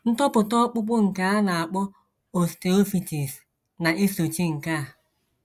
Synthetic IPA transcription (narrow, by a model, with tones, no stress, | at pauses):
n̩˦tɔ˦pʊ˨tɔ˦k͡pʊ˦k͡pʊ˦ŋ̩˨ka˦a˦na˨a˨k͡pʊ˦ | o˨ste˨o˦fi˨ti˨s | na˨ʔi˦so˨t͡ʃi˦ŋ̩˨ka˦˨